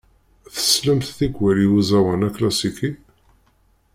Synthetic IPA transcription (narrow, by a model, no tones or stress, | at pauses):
θə̥sləmθθiɡwæliwuzæwænæklæsiki